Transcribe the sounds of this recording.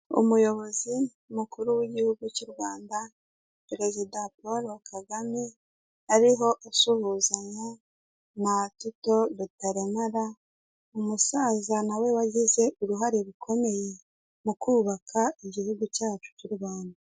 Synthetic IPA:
ṵmujo̞βo̞zi | mukuɾuwiɟihuɡucuɾɡwaːnda | peɾe̞zidapoɾokʰaɡami | aɾiɦo̞ʔasuhuzaɲa | natito̞βutaɾemaɾa | umusaːzanawe̞waɟize̞ʔuɾuɦaɾeɾukʰo̞me̞je̞ | mukuːβakʰaiɟihuɡucaːt͡ʃu̥cuɾɡaːnda

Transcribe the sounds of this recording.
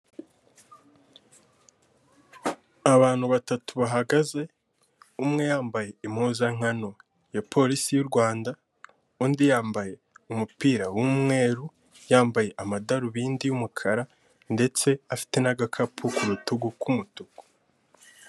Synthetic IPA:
aβaːn̥huβatatuβaɦaɡaze̞ | umŋe̞jaːmbaje̞imhuːzaŋ̥ano̞ | japʰo̞ɾisijuɾɡwaːnda | uːndijaːmbaje̞ | umupiːɾawumŋe̞ːɾu | jaːmbaje̞ʔamadaɾuβiːndijumukʰaɾa | nde̞t͡se̞afi̥te̞naɡakʰapʰukuɾutuɡukumutuɡ̥u̥

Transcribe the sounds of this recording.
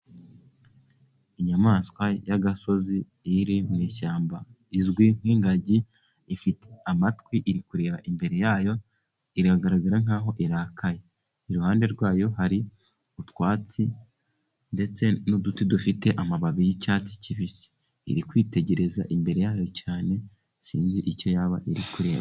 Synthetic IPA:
iɲamaːskwajaɡaso̞zi | iɾimŋiːʃaːmba | izɡwiŋ̥iːŋɡaɟi | ifiteamatwiʔiɾikuɾeːβaʔimbe̞ɾe̞jaːjo̞ | iɾaɡaɾaɡaɾaŋ̥aːɦo̞ʔiɾaːkʰaje | iɾuhaːnde̞ɾɡwaːjo̞ɦaɾi | utwaːt͡si | nde̞t͡se̞nudutidufite̞ʔamaβaβijicaːt͡si̥ciβisi̥̰ː | ɾikwiːte̞ɟe̞ɾe̞za̰ʔimbe̞ɾe̞jaːjo̞caːne̞ | siːnziʔico̞jaβaʔiɾikuɾe̞ːβa̰

